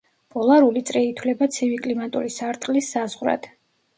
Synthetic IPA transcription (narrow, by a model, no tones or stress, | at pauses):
pʼɔlˠaɾulit̪sʼɾɛit̪ʰwlɛbat̪sʰivikʼlimat̪ʼṵɾisaɾt̪ʼqʼlisːazʁɾa̰d̪̥